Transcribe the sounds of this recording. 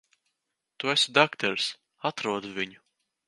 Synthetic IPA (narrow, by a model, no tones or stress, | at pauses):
t̪uesud̪akt̪ɛɾs | at̪ɾuɔd̪uvʲiɲu